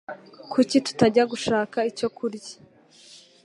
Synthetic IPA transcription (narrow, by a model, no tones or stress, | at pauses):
kʰucitu̥taɟaɡuʃaːkaico̞kʰuɾɟḁ